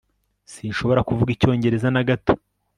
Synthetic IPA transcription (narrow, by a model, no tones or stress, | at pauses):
sinʃo̞βo̞ɾakuvuɡico̞ːɲɟe̞ɾe̞zanaɡato̥